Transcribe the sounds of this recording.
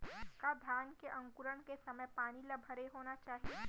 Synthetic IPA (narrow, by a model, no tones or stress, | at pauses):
ɪkad̪ʱjaːnkeʔɐ̃ŋkʊɾəɽ̃kesɐməjpaːnilɐbʱəɾeɦoːnat͡ʃaːɦie